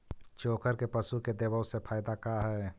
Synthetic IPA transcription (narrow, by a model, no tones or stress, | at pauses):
t͡ʃoːkəɾkepəsuked̪eːbəwsepʰaːɪd̪akaɦɛː